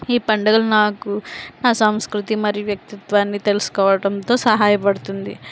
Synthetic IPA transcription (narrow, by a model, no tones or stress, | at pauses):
iːpɐɳɖɐɡɐlunaːkunaːsɐmskɾut̪imɐɾijuʋjɐk̚t̪it̪ʋaːnːit̪e̞lusu̥kɔːʋɐɽɐnt̪o̞ːsɐɦaːjɐpɐɽut̪und̪ḭ